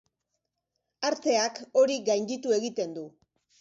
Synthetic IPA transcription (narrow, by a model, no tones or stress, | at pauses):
aɾt̪e̞ako̞ɾiɡajnd̪it̪ue̞ɣit̪e̞nd̪u